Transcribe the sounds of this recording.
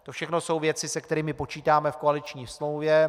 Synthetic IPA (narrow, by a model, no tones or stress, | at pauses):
t̪o̞fʃɛxno̞so̞wvjɛt͡sɪsɛkt̪ɛɾiːmɪpo̞t͡ʃiːt̪aːmɛfko̞alɪt͡ʃɲiːsmlowvjɛ